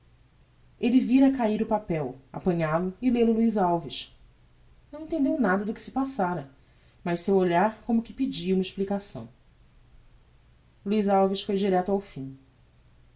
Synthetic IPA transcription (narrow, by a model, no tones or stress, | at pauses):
elɪviɾɐkaiɾʊpapɛwa̰pɐ̃ɲalʊɪlelʊluizawviʃ | nɐ̃w̃ẽnt̪ẽnd̪ewnad̪ɐd̪ʊkɪ̥sɪ̥pasaɾɐ | mɐʃsewoʎaɾkõmʊkɪpid͡ʒiɐũmɐɪʃplikasɐ̰̃w̃ | luizawviʃfojd͡ʒiɾɛt̪ʊawfĩ